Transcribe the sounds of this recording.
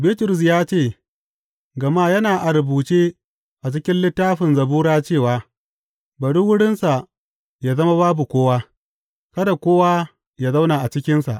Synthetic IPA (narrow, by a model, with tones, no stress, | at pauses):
biː˦tʊ˨ɾʊ˨s̬jaː˦t͡ʃeː˦˨ | ɡɐ˨maː˦jɐ˦naː˨ʔa˨ɾɪ˨buː˨t͡ʃeː˦ | ʔa˨t͡ʃɪ˦kʲɪ˦nlɪ˦tːaː˦ɸɪ˨nzɐ˨buː˦ɾaː˦t͡ʃeː˦˨waː˨ | bɐ˨ɽu˦wʊ˦ɽɪ˦nsa˨ | jaː˨zɐ˦ma˦baː˦bu˨kʷoː˦waː˦ | kɐ˦da˨kʷoː˦wa˦ | jaː˦za˦wna˨ʔa˨t͡ʃɪ˦kʲɪ˦nsa̰˨ʔ